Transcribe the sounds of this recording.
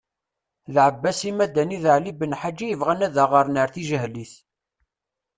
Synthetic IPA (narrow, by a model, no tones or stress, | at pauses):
ðʕəbːæsimæd̪æniðəʕlibənħad͡ʒːijəvʁænæðəʁəɾˤnəɾθiʒəhliθ